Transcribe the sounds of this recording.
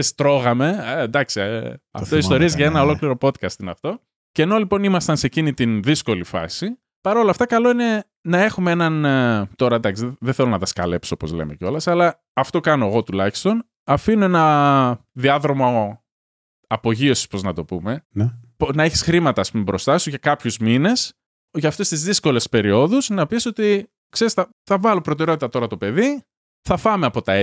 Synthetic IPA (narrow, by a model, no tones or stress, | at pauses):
est̪ɾo̞ɣɐme̞d̪ɐksiɐ̰ft̪oiso̞ɾiezʝɐenɐolo̞kliɾo̞po̞t̪kɐst̪inɐft̪o̞ | ceːno̞lipo̞nimɐst̪ɐnse̞cinit̪inðisko̞lifɐ̰si | pɐɾo̞lɐft̪ɐkɐlo̞ine̞ | nɐe̞xumee̞nɐnt̪o̞ɾɐd̪ɐksiðeθelonɐt̪ɐskɐ̰le̞psoopo̞zle̞̰me̞ceo̞lɐsɐlɐː | ft̪o̞kɐno̞eɣo̞t̪ulɐçi̥st̪o̞n | ɐfinoe̞nɐ | ðiɐðɾo̞mo | ɐpo̞ʝio̞si̥spo̞znɐt̪o̞pume̞nponɐeçi̥sxɾimɐt̪ɐːspumebɾo̞st̪ɐsuʝɐkɐpçuzmine̞s | ʝɐːft̪ost̪izðisko̞le̞spe̞ɾio̞ðusnɐpiso̞t̪i | kse̞ɾisθɐ | θɐvɐlopɾo̞t̪eɾeot̪it̪ɐt̪o̞ɾɐt̪o̞pe̞ði | θɐfɐme̞ɐpo̞t̪ɐe